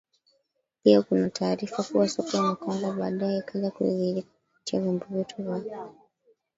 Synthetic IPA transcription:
piɔkunatʰaːɾifakuwasɔkɔjanakɔŋɡɔɓaːɗajɛkʰaʄakuḭɣi | t͡ʃiavimbɔvɛtʰuvaɔ

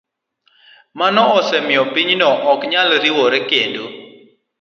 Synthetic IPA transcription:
manɔɔsɛmɪɔpiɲnɔʔɔkɲalɾiwɔɾɛkendo

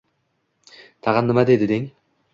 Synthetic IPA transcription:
t̪ʰɑʁɑnːɨmad̪ed̪ɪd̪eŋ

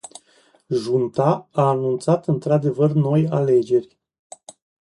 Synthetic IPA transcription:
ʒunt̪aaːnunt̪sat̪ɨnt̪ɾad̪e̞vərno̞jale̞d͡ʒe̞rʲ

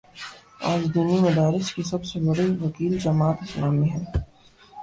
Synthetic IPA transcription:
a̰ːd͡ʒd̪unumɐd̪aːɾɪskisɐbsebɐɽiʋɐkiːld͡ʒɐmaːt̪ɪsnaːmẽɦɛ̃ː

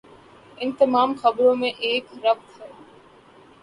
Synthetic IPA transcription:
ɪnt̪emaːmxɐbɾomẽʔeːkɾɐb̪̚hɐ

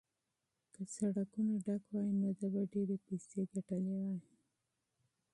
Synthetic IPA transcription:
kəsaɽakunaɖakwɑjinod̪abaɖeɾepiseɡaʈəlewaj

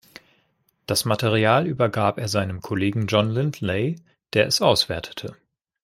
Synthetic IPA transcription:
d̥asmatʰeʁ̞iaːlyːbɐɡaːpeːɐzaɪnəmkʰoleːɡŋ̩d͡ʒɔnlɪntleɪ | d̥eːɐʔɛsʔaʊsv̥ɛɐtʰə̥tʰə

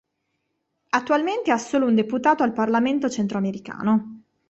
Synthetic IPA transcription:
at̪ːualment̪easːoːlound̪eput̪aːt̪oalparlament̪ot͡ʃent̪ɾoameɾika̰ːno

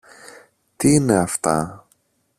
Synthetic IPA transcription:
t̪iine̞ɐft̪ɐ̰

